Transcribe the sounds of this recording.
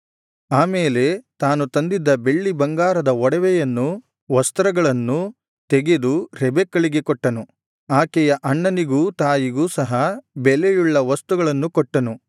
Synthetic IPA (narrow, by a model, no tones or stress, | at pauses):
aːmeːle̞t̪aːnut̪ɐnd̪id̪ːɐbe̞ɭːibɐŋɡaːɾɐd̪ɐɔɽɐʋɛjɐnːu | ʋɐst̪ɾɐɡɐɭɐnːu | t̪eɡed̪uɾɛbekːɐɭiɡe̞kɔʈːɐnu | aːkɛjɐʔɐɳːɐniɡuːt̪aːjiɡuːsɐɦɐbɛlɛjuɭːɐʋɐst̪uɡɐɭɐnːukɔʈːɐnu